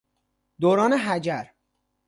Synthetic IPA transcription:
d̪oːɾɒːneɦæd͡ʒæɾ

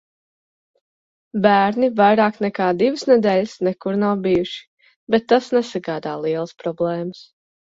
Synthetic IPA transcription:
bæːɾnivajɾaːknɛkaːd̪ivəsnɛd̪ɛːʎɪsnɛkuɾnawbijuʃi̥ | bɛt̪ːasnɛsaɡaːd̪aːlˠiɛlˠəspɾɔblˠɛːməs

